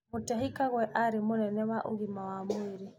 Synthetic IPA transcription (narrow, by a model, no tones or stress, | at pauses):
mutaɦikaɣwɛʔaɾimunɛnɛβaʔṵɣimawamwiɾi